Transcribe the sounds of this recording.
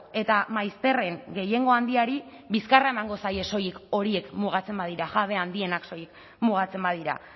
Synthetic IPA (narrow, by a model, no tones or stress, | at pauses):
e̞t̪amajst̪e̞re̞ŋɡe̞je̞ŋɡo̞and̪iaɾi | βiskarae̞maŋɡo̞saje̞so̞jiko̞ɾie̞kmuɣ̞at͡se̞mbaðiɾaɣaβ̞e̞and̪ie̞nakso̞jik | muɣ̞at͡se̞mbaðiɾa̰